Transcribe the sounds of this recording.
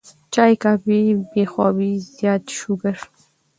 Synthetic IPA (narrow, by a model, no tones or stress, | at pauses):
t͡ʃɑjkabibexɑwizjɑːt̪ʃuɡəɾ